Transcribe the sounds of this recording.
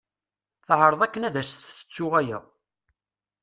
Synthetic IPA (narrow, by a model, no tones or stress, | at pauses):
θʕɾˤəðˤækːənæðæsθθə̥t͡sːʊʁæjæ̰